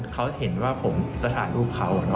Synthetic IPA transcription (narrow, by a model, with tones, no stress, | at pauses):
kʰa˦˥whe˨˩˦nwaː˥˩pʰo˩˦mt͡ɕa˧˩t̪ʰaː˩˦ɾuː˥˩p̚kʰa˦˥wnɔ˦˥